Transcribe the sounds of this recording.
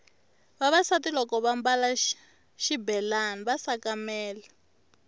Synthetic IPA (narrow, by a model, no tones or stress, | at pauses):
βaβasatilɔkɔβambala | ʃibɛlaniβasakamɛːla